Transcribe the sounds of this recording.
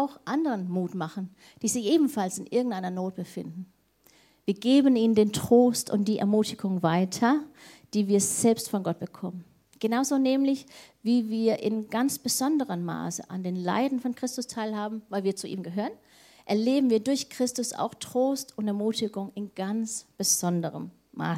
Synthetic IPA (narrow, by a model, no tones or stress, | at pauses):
ʔaʊxʔandəʁənmuːtmaχn̩ | d̥iːzɪçʔeːbm̩falsɪnʔɪɐɡŋ̩taɪnɐnoːt̚b̥əfɪndn̩ | viːɐɡeːbəniːnəndeːntʁ̥oːstʊ̰ntd̥iːʔɛ̰ɐmuːtɪɡʊŋvaɪtʰɐd̥iːviːɐz̥ɛlpstfɔnɡɔt̚b̥əkʰɔmən | ɡ̥ənaʊzoːnɛːmlɪçviːviːɐʔɪnɡant͡sb̥əzɔndəʁəmːa̰ːsə̰ʔandeːnla̰ɪdn̩fɔnkʁ̥ɪstʊstʰaɪlɦaːbm̩vaɪlviːɐt͡suʔḭːmɡəɦøːʁən | ʔɛɐleːbm̩viːɐdʊɐçkʁ̥ɪstʊsa̰ʊxtʁ̥oːstʊntɛɐmuːtɪɡʊŋɪnɡ̥ant͡sb̥əz̥ɔndəʁə̰mː | a̰ː